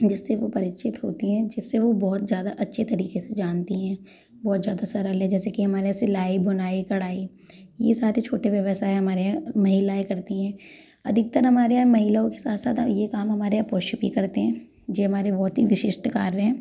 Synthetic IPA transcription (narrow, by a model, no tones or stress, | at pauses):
d͡ʒɪsːeʋopɐɾɪʃʰɪt̪ɦoːt̪iɦɛ̃d͡ʒɪsːeʋobɔːt̪zjaːd̪aʔɐtːʃʰet̪ɐɾiːkesed͡ʒaːnt̪iɦɛ̃ː | bɔːt̪zjaːd̪asɐɾəlɦɛ̃d͡ʒɛːsekiɦɐmaːɾeaːselaːibɦʊnaːikɐɽaːi | jesaːɾet͡ʃʰoːʈeʋjɐʋəsaːeɦɐmaːɾeamɐɦilaekɐɾt̪iɦɛ̃ː | ɐd̪ʱɪk̚t̪əɾɦɐmaːɾeaːmɐɦilaõke̥saːt̪sa̰ːt̪jekaːmɦɐmaːɾeaːpoːʃt͡ʃʊpḭkɐɾt̪eɦɛ̃ː | d͡ʒeɦɐmaːɾebɔːt̪ɦiʋɪʃɪʃʈkaːɾɦɛ̃ː